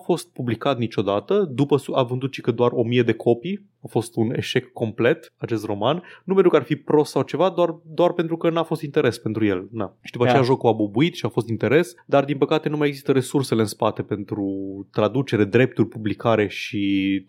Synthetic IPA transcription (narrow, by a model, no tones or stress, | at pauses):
afo̞st̪̚publikat̪nit͡ʃo̞d̪at̪əd̪upəsuavɨnd̪ut̪ʃi̥kəd̪oaro̞mije̞d̪e̞kʰo̞pi | awfo̞st̪une̞̰ʃe̞kːo̞mple̞t̪at͡ʃe̞st̪ro̞mannupenɾukarfipɾo̞ssawt͡ʃe̞vad̪oard̪owarpe̞nt̪ɾukənafo̞st̪int̪e̞ɾe̞spe̞nt̪ɾuje̞̰lnaʃi̥d̪upat͡ʃejaʒo̞kuabubuit̪ʃiafo̞st̪int̪e̞ɾe̞sd̪ard̪inpəkat̪e̞numaje̞ɡzist̪əɾe̞surse̞leɨnspat̪e̞pe̞nt̪ɾut̪ɾad̪ut͡ʃe̞ɾe̞d̪ɾe̞p̚t̪urʲpublikaɾe̞ʃi